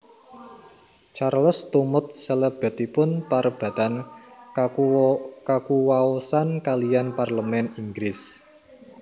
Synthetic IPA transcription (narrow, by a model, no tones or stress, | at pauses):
t͡ʃarləst̪umʊt̪̚səleb̥ɛ̤t̪ipʊnpaɾəb̥ä̤t̪an | kakuwaosankalijanparləmɛniŋɡɾɪs